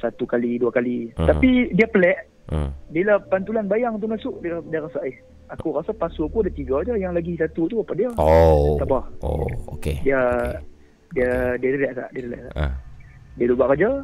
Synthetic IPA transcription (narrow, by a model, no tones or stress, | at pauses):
sat̪ukaliduakalit̪apidiəpəlɛʔ | diəlahpant̪ulanbajaŋt̪̬umasʊʔdədiəɾasaʔih | akuɾasapasukuadaʔt̪iɡad͡ʒəjaŋlaɡisat̪ut̪uapadiəoaʔpahokediə | diədiəɾilɛʔka̰ʔdiəɾilɛ̰ʔka̰ʔ | diəlubaʔkad͡ʒə